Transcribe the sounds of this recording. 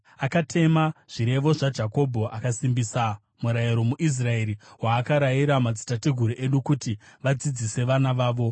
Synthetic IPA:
akatʰe̞maʐ̥iɾe̞ʋo̞ʐad͡ʒako̞bʱo̞akasimbisa | muɾaiɾo̞muʔis̬rae̞ɾiwaːkaɾaiɾamad͡zi̥tatiɡʱuɾuʔe̞ɗukutiʋad͡zid͡zise̞ʋanaʋaːʋo̞

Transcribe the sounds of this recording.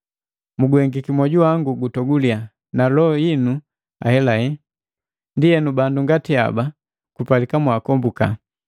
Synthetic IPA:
muɡwɛŋɡikimɔɟuaŋɡuɡutɔɡulia | nalɔɔjinu | a̰hɛlahɛ | ndijɛnubanduŋɡatia̰ba | kupalikamwakɔmbuka̰

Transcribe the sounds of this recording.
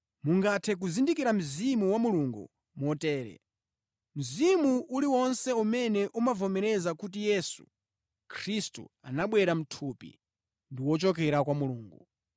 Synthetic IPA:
muŋɡatʰɛk̬uzindikiɾam̩zimuwamuluŋɡṵ | mɔtɛːɾɛ̰ | m̩zimuʔuliwɔnsɛumɛnɛʔumavɔmɛɾɛzakut̬ijɛsu̥ | kʰɾistṵa̰naɓwɛɾam̩tʰuːpḭ | ndiwɔt͡ʃɔk̬ɛɾakwamuluːŋɡṵ

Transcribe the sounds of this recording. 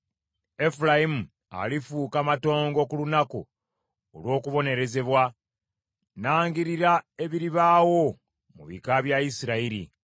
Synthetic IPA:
e̞fulajimu | a̰lifuːkamato̞ːŋɡo̞kulunako̰ː | lwo̞ːkuβo̞ne̞ɾe̞ze̞βwa | naːŋɡiɾiɾae̞βiɾiβaːwo̞ | muβḭkaβjaisiɾaiɾḭ

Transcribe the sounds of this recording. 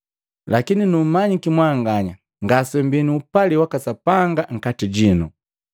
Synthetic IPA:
lakininum̩maɲikimwaːŋɡaɲa | ŋɡasɛmbiniːpaliwakasapaŋɡaŋ̩katiɟinu

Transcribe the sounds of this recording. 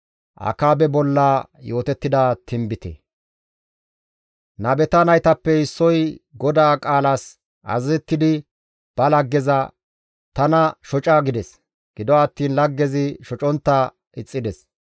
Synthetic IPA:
ʔɐ̰kaːbɛbɔlːaːjo̞ːt̪ɛt̪ːɪd̪ɐt̪ʰɪmbɪt̪ɛ̰ | nɐbɛt̪ɐnɐjt̪ɐpːɛɪsːɔjɡɔd̪aːkʼaːlɐs | ɐ̰zzɛt̪ːɪd̪ɪ | b̥ɐlɐɡːɛzɐ | t̪ɐnɐʃɔt͡ʃʼaːɡɪd̪ɛs | ɡ̥ɪd̪ɔɐt̪ːiːnlɐɡːɛzɪʃɔt͡ʃʼɔnt̪ːɐ | ɪt͡sʼːɪd̪ɛs

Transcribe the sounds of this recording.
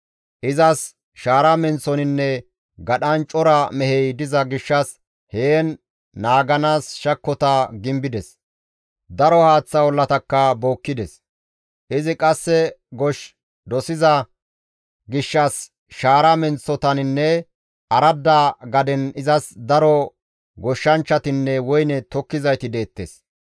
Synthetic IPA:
ʔɪzɐs | ʃaːɾɐmɛnsɔnɪnːɛ | ɡɐɗɐnt͡ʃʼɔɾɐmɛhɛjd̪ɪzɐɡɪʃːɐs | heːnː | aːɡɐnaːsʃɐkːɔt̪ɐɡɪmbɪd̪ɛs | d̪ɐɾɔhaːt͡sːɐwɔlːɐt̪ɐkːɐboːkːɪd̪ɛs | ʔɪzɪkʼɐsːɛɡɔʃ | d̪ɔsɪzɐ | ɡɪʃːɐs | ʃaːɾɐmɛnt͡sːɔt̪ɐnɪnːɛ | ɐɾɐd̪ːaɡɐd̪ɛnɪzɐsd̪ɐɾɔ | ɡɔʃːɐnt͡ʃːɐt̪ɪnːɛwɔjnɛt̪ɔkːɪzɐjt̪ɪd̪e̞ːt̪ːḛːs

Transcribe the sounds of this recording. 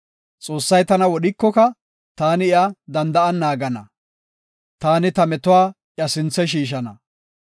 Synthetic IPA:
t͡sʼo̞ːsːɐjt̪ɐnɐwɔɗɪkːɔkɐ | t̪aːnɪɪʔɐd̪ɐnd̪ɐʔɐnːaːɡɐnɐ | t̪aːnɪt̪ɐmɛt̪ʊwaːʔjɐsɪnt͡sːɛʃ̬iːʃ̬ɐnɐ

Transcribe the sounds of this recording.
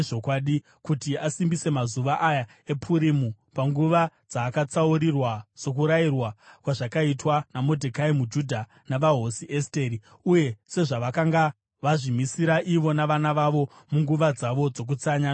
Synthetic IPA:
ʐokwaɗi | kutiasimbise̞mazuʋaʔaja | e̞pʰuɾimu | paŋɡuʋad͡zaːkat͡sauɾirwaso̞k̬uɾairwakwaʐakaitwanamo̞dʱekaimud͡ʒudʱa | naʋaɦo̞siʔeste̞ːɾi | uje̞se̞ʐaʋakaŋɡa | ʋaʐimisiɾaʔiʋo̞naʋanaʋaʋo̞ | muŋɡuʋad͡zaʋo̞d͡zo̞k̬ut͡saɲa

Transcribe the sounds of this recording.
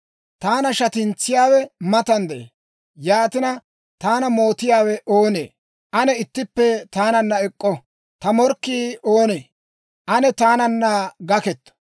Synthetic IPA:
t̪aːnɐʃɐt̪ɪnt͡sːɪjaːwɛmɐt̪ɐnd̪ɛḛː | jaːt̪ɪnɐ | t̪aːnɐmo̞ːt̪ɪjaːwɛʔoːnḛː | ʔɐnɛɪt̪ːɪpːɛt̪aːnɐnːɐɛkʼːɔ | t̪ɐmɔɾkːiːoːneː | ʔɐnɛt̪aːnɐnːɐɡɐkɛt̪ːɔ̥

